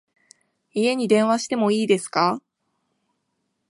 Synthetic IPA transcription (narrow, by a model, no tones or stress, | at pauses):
ie̞ɲ̟id̪ẽ̞ɰ̃βaɕi̥t̪e̞mo̞iːd̪e̞sɨ̥ka